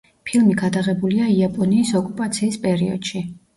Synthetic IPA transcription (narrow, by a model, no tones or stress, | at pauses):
pʰilˠmiɡad̪aʁɛbuliaiapʼɔniːsɔkʼupʼat̪sʰiːspʼɛɾiɔ̰d̪̥ʃi